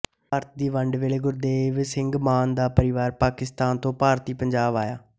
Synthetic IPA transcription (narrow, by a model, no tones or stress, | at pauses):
aːɾət̪̚d̪iːʋəɳɖʋeːleːɡʊɾd̪eːʋsɪŋɡmaːnd̪aːpəɾɪʋaːɾpaːkɪst̪aːnt̪õːpaːɾt̪iːpəɲd͡ʒaːbaːjaː